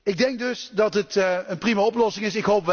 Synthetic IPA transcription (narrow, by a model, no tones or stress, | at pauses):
ɪɡ̚dɛŋk̚dɵsdɑtɦətənprimaɔplɔsɪŋɪsɪkɦowpʋ